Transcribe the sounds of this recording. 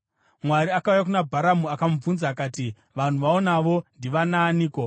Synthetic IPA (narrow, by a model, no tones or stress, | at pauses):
mwaɾiakaujak̬unabʱaɾamuakam̩b͡vunzaːkaːti | ʋan̤uʋaonaʋo̞ndiʋanaːniːko̞